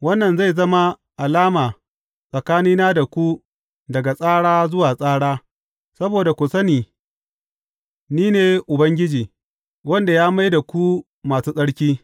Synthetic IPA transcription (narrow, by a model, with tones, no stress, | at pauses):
wɐ˦nːɐ˨nza˦˨jzɐ˦ma˦ | ʔa˨laː˦maː˨ | sʼɐ˨kaː˦niː˦naː˦da˨kʷu˦ | dɐ˨ɡa˨sʼaː˦ɽaː˦zʊ˦waː˨sʼaː˦ɽaː˦ | sɐ˦boː˨da˨kʷʊ˨sɐ˦niː˨ | niː˦neː˨ʔʊ˨bɐ˦ŋɡʲɪ˦d͡ʒiː˨ | wɐ˦nda˨jaː˦ma˦jda˨kʷu˦ | maː˨suː˦sʼɐ˦ɽkʲiː˦